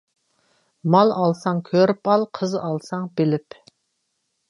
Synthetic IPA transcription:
mɑlˠɑlˠsɑŋkʲʰøɾpɑlˠqʰəzɑlˠsɑŋbɪlɪp

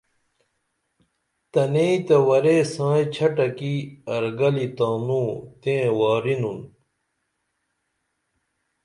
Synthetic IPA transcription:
t̪ɐneit̪ɐwɐɾeːsãːjt͡ɕʰɐʈɐkiɐɾɡɐlit̪ãːnũːt̪ẽːwaːɾinun

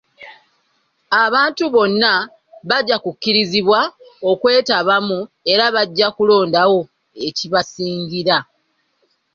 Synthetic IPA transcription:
aβaːntuβo̞nːa | βaɟːakukːiɾiziβwao̞kwe̞ːtaβamu | e̞ɾaβaɟːakulo̞ːndawo̞ | e̞ciβasiːŋɟiɾa

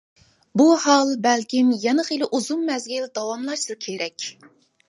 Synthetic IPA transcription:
buhɑlˠbɛlkʲimjɛnəχilˠɨʔuzumːɛzɡʲild̪ɑwɑmlˠɑʃt̪ɨkʲʰeɾɛkʲ

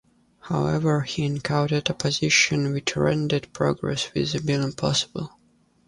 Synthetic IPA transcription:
haʊɛvə˞hiɨ̃nkʰãʊ̃tɨdəpʰɨzɪʃɨ̃nwɪt͡ʃɹɛ̰̃ndɨdpʰɹ̥ɔ̰ɡɹɛ̰swɪ̰zɨbilˠɪ̃mpʰɑsə̥bəl̩ˠ

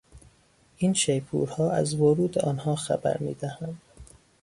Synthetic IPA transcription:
ʔiːnʃejpʰṵːɾhɒːæ̰zvoɾuːd̪eʔɒːnhɒːxæ̰bæ̰ɾmḭːd̪æhænd̪̥

